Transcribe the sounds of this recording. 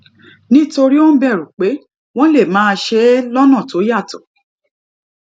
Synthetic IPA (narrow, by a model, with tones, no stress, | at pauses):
nĩ˦to˧ɾi˦o˦n̩˦bɛ˦˨ɾũ˨k͡pe˨˦ | w̃ɔ̃˦le˦˨mãː˨˦˧ʃe˦lɔ˦nã˦˨to˨˦ja˦˨tɔ̰˨